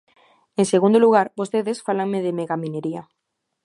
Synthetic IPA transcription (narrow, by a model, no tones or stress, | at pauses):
eŋseɣ̞ũnd̪oluɣ̞aɾbost̪eðesfalaŋmeðemeɣamineɾia